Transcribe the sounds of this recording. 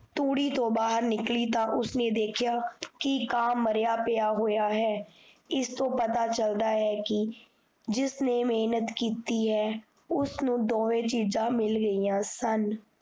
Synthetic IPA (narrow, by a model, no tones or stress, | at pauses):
t̪uːɽiːt̪õːbaːɦəɾnɪkliːt̪ãːʔʊsneːd̪eːkʰjaːkɪkaːmːəɾjaːpɪjaːɦoːjaːɦɛː | ɪst̪õːpət̪aːt͡ʃəld̪aːɦɛːkɪ | d͡ʒɪsneːmeːnət̪kiːt̪iːɦɛː | ʊsnũːd̪oːʋẽːt͡ʃiːzãːmɪlɡəiːãːsən